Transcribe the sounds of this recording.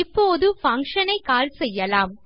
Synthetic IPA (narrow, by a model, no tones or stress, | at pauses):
ɪpːoːðɯfɐŋkʂɐnɐɪkaːlsɛjːɐlaːm